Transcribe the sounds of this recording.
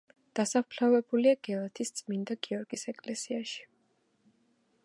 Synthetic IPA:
d̪̥asapʰlavɛbuliaɡ̥ɛlˠat̪ʰist̪sʼmind̪aɡiɔɾɡisɛkʼlɛsiaʃi̥

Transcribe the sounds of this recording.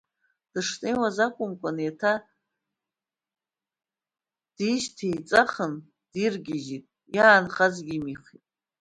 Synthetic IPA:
d̥ɨʂnejwazakʷʼʊmkʷʼanjatʰa | d̥iʃtʰejt͡sʼaχən | d̥irɡʲɪʒitʼ | jaːnχazɡʲimiχitʼ

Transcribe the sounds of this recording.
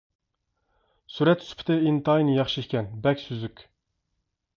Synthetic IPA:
suɾɛt̪ʰːspʰt̪ɪint̪ɑjnɨjɑχʃiikʲɛnbɛkʲsyzykʲ

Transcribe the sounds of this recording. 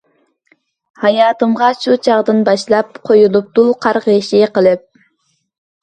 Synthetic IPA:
hɑjɑːt̪ɨmʁɑʃut͡ʃʰɑʁd̪ɨnbɑʃlˠɑp̚qʰojulˠup̚t̪uqʰɑɾʁəʃiqəlˠɨp̚

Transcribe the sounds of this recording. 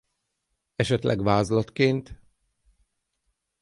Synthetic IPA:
ɛʃɛt̪lʔɛ̰ɡvaːzlɒt̪keːnt̪

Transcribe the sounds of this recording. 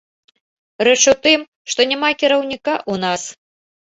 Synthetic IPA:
ɾɛt͡ʂut̪ɨm | ʂt̪ɔnʲamakʲiɾɐwnʲikaʔunas

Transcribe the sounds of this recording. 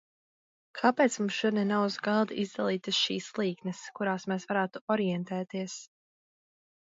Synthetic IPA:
kʰapɛːt̪smumsʒud̪nɛnawzɡalˠd̪izd̪alˠiːt̪ɨsʃḭːslˠiːknɨskuɾaːsmɛːsvaɾaːt̪uɔɾiɛnt̪ɛːt̪iɛs

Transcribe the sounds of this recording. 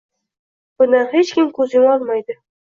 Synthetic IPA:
b̥ʊnd̪anɦet͡ʃkʲɪmkʰɵzɪmɒlˠmajd̪ɪ

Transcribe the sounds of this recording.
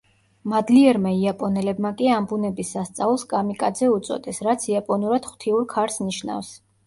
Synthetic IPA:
mad̪liɛɾmaiapʼɔnɛlɛbmakʼiambunɛbisːast̪sʼaulˠskʼamikʼad̪zɛut̪sʼɔ̰d̪ɛsɾat̪sʰiapʼɔnuɾad̪̥χw̥t̪ʰiuɾkʰaɾsniʃna̰fs

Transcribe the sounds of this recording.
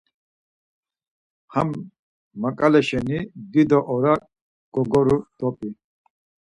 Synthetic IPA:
hamː | akʼalɛʃɛnib̪id̪ɔʔɔɾa | ɡ̥ɔɡɔɾud̪̥ɔpʼi

